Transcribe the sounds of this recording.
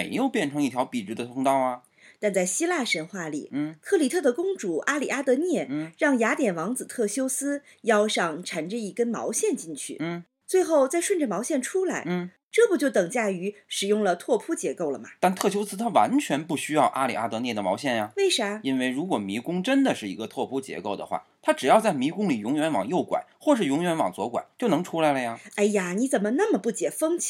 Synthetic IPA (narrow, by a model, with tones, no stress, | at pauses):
ɪjo˥˧ʊpjɛ˥˩nʈ͡ʂʰɤ˧˥ŋi˥˩t̪ʰjɑ˧˥ʊpi˨˩ɻ̩˧˥d̪ə˧t̪ʰʊ˧˥ŋt̪ɑ˥ʊɐ˩ | t̪a˥˧nt͡sa˥˩ɪɕi˥la˥˩ʂə˧˥nxwa˥˩lḭ˨˩˥kʰɤ˥˩li˨˩t̪ʰɤ˥˩d̪ə˩kʊ˥ŋʈ͡ʂu˨˩˦ʔa˥li˨˩a˥t̪ɤ˧˥njɛ˥˩˧ɻɑ˥˩ŋja˧˥t̪jɛ˨˩nwɑ˧˥ŋt͡sɹ̩˨˩t̪ʰɤ˥˩ɕjo˥ʊsɹ̩˥ | jɑ˥ʊʂɑ˥˩ŋʈ͡ʂʰa˧˥nʈ͡ʂə˧i˧˥kə˥nmɑ̰˧˥ʊɕjɛ˥˧nt͡ɕi˥˧nt͡ɕʰy̰˥˩˥ | t͡swe˥˧ɪxo˥˧ʊt͡sa˥˧ɪʂwə˥˩nʈ͡ʂə˩mɑ˧˥ʊɕjɛ˥˩nʈ͡ʂʰu˥la˧˥ɪ˥ | ʈ͡ʂɤ˥˩bu˧˩t͡ɕjo˥˩ʊt̪ɤ˨˩ŋt͡ɕja˥˩y˧˥ʂɻ̩˨˩jʊ˥˩ŋlə˩t̪ʰwɔ˥˧pʰu˥t͡ɕjɛ˧˥ko˥˩ʊlə˩mɐ̰˩t̪a˥˧nt̪ʰɤ˥˩t͡ɕʰjo˥t͡sʰɹ̩˥t̪ʰa˥wa̰˧˥nt͡ɕʰɥɛ˧˥npu˥˩ɕy˥jɑ˥˩ʊʔa˥li˨˩a˥t̪ɤ˧˥njɛ˥˩d̪ə˩mɑ˧˥ɕ̬jɛ˥˩nja˩we˥˩ɪʂə˧˩˥i˥nwe˥˩ɪɻu˧˥kwɔ˨˩mi˧˥kʊ˥ŋʈ͡ʂə˥nd̪ə˨ʂɻ̩˥˩i˧˥ɡə˧t̪ʰwɔ˥˩pʰu˥t͡ɕjɛ̰˧˥ko˥˩ʊd̪ə̰˩xwa̰˥˩t̪ʰa˥ʈ͡ʂɻ̩˨˩jɑ˥˧ʊt͡sa˥˩ɪmi˧˥kʊ˥ŋli˨˩jʊ˧˥ŋɥɛ˧˥nwɑ̰˨˩ŋjo˥˩ʊkwa̰˨˩˦ɪxwɔ˥˧ʂɻ̩˥˩jʊ˧˥ŋɥɛ˧˥nwɑ̰˨˩ŋt͡swɔ˧˥kwa̰˨˩˦t͡ɕjo˥˩ʊnɤ˧˥ŋʈ͡ʂʰu˥la˧˥ɪlə˧ja˧˩a˥˩ɪja˩ni˧˥t͡sə˨˩nmə˦na˥˩mə˨˩pu˥˩t͡ɕjɛ˨˩fɤ˥ŋʰ